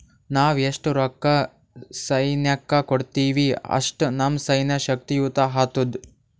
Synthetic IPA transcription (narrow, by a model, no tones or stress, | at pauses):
naːʋeʂʈɾɔkːɐ | sɐjnjɐkːɐkoɽt̪iːʋiɐ̰ʂʈnɐmsɐjnɐʃɐk̚t̪ijuːt̪aɦaːt̪ud̪